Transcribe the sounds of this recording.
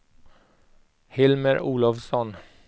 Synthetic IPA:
hɪlməɾuːlɑʋsɔn

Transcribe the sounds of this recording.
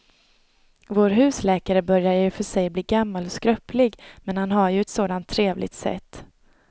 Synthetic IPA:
voːɾɦʉ̟ːslɛːkaɾəbœɾjaɾjɵfœʂɛjbliːɡamːalɔskɾœpːlɪɡmɛnhanɦaɾjɵɛt̪soːd̪ant̪ʰːɾeːvlɪ̰ɡt̪sɛ̰t̪ː

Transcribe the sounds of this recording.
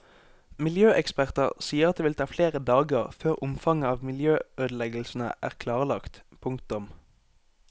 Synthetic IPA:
mɪljøːʔɛkspæʁt̪əʁsiːəʁɑt̪̚d̪eʋɪlt̪ʰɑːfleːʁəd̪ɑːɡəʁføːʁʊmfɑŋəɑːʋmɪljøːʔøːd̪əl̩ɛɡəl̩sn̩ə̰ʔæ̰ːʁkʰlɑːʁəlɑkt̪pʰʊŋkt̪ʊm

